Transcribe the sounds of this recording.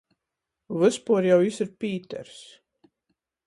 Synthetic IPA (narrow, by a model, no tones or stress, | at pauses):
vɨspuɔɾjawisiɾpʲiːt̪ɛ̰ɾs